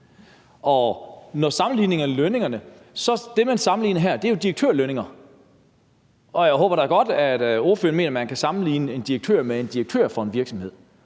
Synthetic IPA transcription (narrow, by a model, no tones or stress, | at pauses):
ɒ̽nɒsɑ̈mn̩lḭːne̝ŋɐløne̝ŋɐnə | sɒ̽d̥e̝mænsɑ̈mn̩lḭːnəɦæɐd̥e̝æjo̝d̥iʁɐɡ̥̚t͡sʰøɐløne̝ŋɐ | ɒ̽jäɪɦɔ̰ːb̥ɐɾ̥ɑ̈ɐɡ̥ɒ̽d̥æd̥o̝ːɐfø̰ɐn̩mḛːnɐmænkʰæsɑ̈mn̩lḭːnəe̝nd̥iʁeɡ̥̚t͡sʰø̰ːɐmee̝nd̥ieɡ̥̚t͡sʰø̰ɐfɒ̽e̝nʋiɐɡ̥sɒ̽mhe̝ð̰ˠ